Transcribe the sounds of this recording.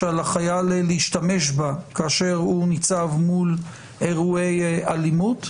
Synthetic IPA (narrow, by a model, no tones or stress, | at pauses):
alaχajalleiʃtame̞ʃbakaːʃe̞ʁunit͡savmul | eʁuejalimut